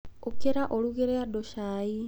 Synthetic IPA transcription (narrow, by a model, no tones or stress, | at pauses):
okeɾaʔoɾuɡeɾeadoʃai